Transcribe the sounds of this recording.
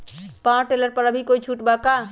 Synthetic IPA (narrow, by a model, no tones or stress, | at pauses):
pãʈeləɾpəɾəbʱikoit͡ʃʰuʈbaka